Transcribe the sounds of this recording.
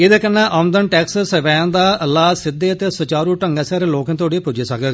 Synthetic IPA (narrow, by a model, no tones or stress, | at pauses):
ɪd̪eːkənːãːʔə̃nd̪ənʈɛːkssəʋaːjãːnd̪aːəlːaːsɪd̪eːət̪eːsət͡ʃaːɾuːʈəŋɡaːsɛːɾeːloːkə̃ːt̪oːɖiːpʊd͡ʒiːsəkɡ